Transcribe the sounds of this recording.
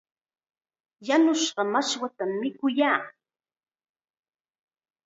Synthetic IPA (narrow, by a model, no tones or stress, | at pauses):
janʊʃɢɑmaʃwat̪amːɪkʊjaː